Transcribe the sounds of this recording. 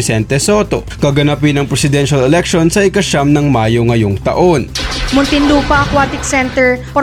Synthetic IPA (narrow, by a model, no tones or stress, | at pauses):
ɪsɛnt̪ɛsoːt̪o̞ | kɐɡɐnap̬ɪnɐŋpɾɛsɪd̪ɛnʃɐlɛlɛk̚ʃonsɐʔɪkɐʃamnɐŋmaːjoŋɐjoŋt̪ɐ̰ʔo̞nmʊnt̪ɪnluːpɐʔɐkwat̪ɪksɛnt̪ɛɹpɐ